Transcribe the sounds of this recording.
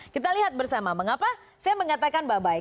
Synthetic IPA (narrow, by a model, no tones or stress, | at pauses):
kit̪aliɦat̪̚bərsamaməŋapa | sajaməŋat̪akanbabaɪ